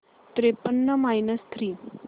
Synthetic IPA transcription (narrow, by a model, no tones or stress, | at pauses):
t̪ɾepənːəmajnəst̪ʰɾiː